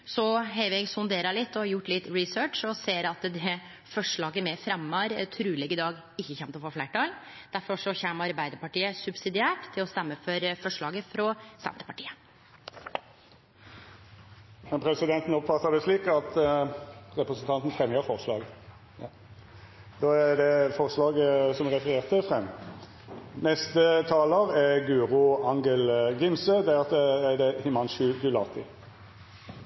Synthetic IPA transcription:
sɔɦɛʋɛɡsʊnd̪eːɾɑlɪt̪ːɔjʊʈːlɪt̪ːɹɪsøːʈʂɔseːɾɑt̪d̪ɛ | fɔʂɭɑːɡəmɛfɾɛmːɑɾt̪ʰɾʉːlɛɡəd̪ɑːɡ | ɪçːəçɛnt̪lɔfoːflæːʈɑːl | d̪̥æɾfɔʂɔçɛmːəɑɾbæɪd̪əɾpɑʈiːəsʉbsɪd̪ɪæːʈt̪ʰːɪlɔst̪æmːəfɔɾfɔʂɭɑːɡəfɾɔsɛ̰nt̪ə̥pɑʈiːə | mɛnpʰʁɾɛsɪd̪ɛnt̪n̩ɔpfɑt̪ːəd̪ɛsliːkɑt̪ | ʁɛpɾəsənt̪ɑnt̪n̩fʁɛməəɾfɔʁslɑ̰ːɡ | d̪oːæd̪ɛfɔʁslɑːɡsɔmʁɛfəʁeːʁt̪əfʁɛmː | nɛst̪ət̪ʰɑːləʁɛɡʉːʁʊɑŋɡəlɡɪmsəd̪ɛʁɑt̪əæd̪ɛhɪmɑnʃʉd̪ʉlɑːt̪ʰɪ

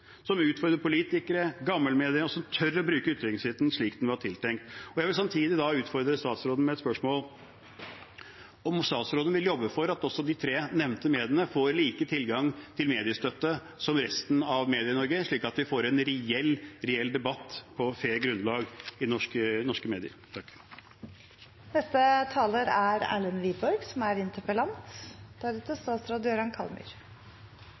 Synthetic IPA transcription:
sɔmʉːt̪fɔɾd̪əɾpʊliːt̪ɪkəɾəɡɑmːəlmeːd̪ɪəɔsɔmt̪ʰœɾːɔbɾʉːkəʉt̪ːɾɛnɪsɪt̪n̩ʂɭiːkd̪nʋɪlhɑʈʰɪlt̪ʰɛŋk̚t̪ɔjæɪʋɪlsɑmt̪ʰiːd̪ɪd̪ɑʉːt̪fɔɾd̪ɾəst̪ɑːt̪sɾoːd̪n̩mɛɛt̪spœʂmoːl | ɔmst̪ɑːt̪sɾoːd̪ənʋɪljɔbːəfɔɾɑt̪ɔsːɔd̪ɪt̪ʰɾeːnɛʋnt̪əmeːd̪ɪənəfoːɾliːkət̪ʰɪlɡɑŋt̪ʰɪlmeːd̪ɪəst̪œt̪ːə | sɔmɾɛst̪n̩ɑʋmeːd̪ɪənɔɾɡəʂɭiːkɑt̪ʋɪfoːɾɛnɾɛɛlːɾɛɛlːd̪ɛbɑt̪ːpʰɔfeːɾɡɾʉnlɑːɡɪnɔʂkənɔʂkəmeːd̪ɪə̰ɾt̪ʰɑkː | nɛst̪ət̪ʰɑːləɾæɾæ̰ːɭənʋiːbɔɾɡsɔmæɾɪnt̪ʰəɾpəlɑnt̪d̪̥æɾʉːt̪əst̪ɑːt̪sɾoːd̪əjøɾɑnkʰɑ̰lmʉ̰ɾ

